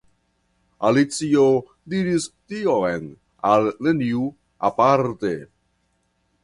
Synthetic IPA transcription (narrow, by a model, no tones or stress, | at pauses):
alit͡sio | diɾistioen | alːeniu | a̰paɾt̪e